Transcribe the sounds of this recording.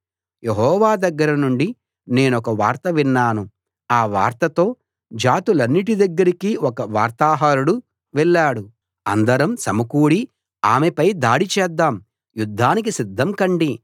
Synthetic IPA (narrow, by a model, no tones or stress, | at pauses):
jeɦɔːʋaːd̪ɐɡːɐɾɐnuɳɖi | ne̞ːnɔkɐʋaːɾt̪ɐʋinːaːnu | aːʋaːɾt̪ɐt̪o̞ː | d͡ʒaːt̪ulɐnːiʈid̪ɐɡːɐɾikiɔkɐʋaːɾt̪aːɦaːɾuɽu | ʋɛlːaːɽu | ɐ̰nd̪ɐɾɐmsɐmɐkuːɽi | aːmepɐjd̪aːɽit͡ʃɛːd̪ːaːm | jud̪ʱːaːnikisid̪ʱːɐmkɐɳɖi